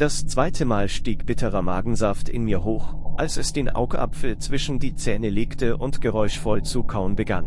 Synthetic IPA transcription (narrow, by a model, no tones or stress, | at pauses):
d̥ast͡sv̥aɪtʰəmaːlʃtiːkb̥ɪtʰəʁɐmaːɡŋ̩zaftʰɪ̰nmiːɐɦoːxʔalsɛsd̥eːnʔa̰ʊɡʔa̰pfl̩t͡sv̥ɪʃn̩diːt͡sɛːnəleːktʰəʔʊntɡ̥əʁɔʏʃfɔlt͡sukʰaʊnbəɡan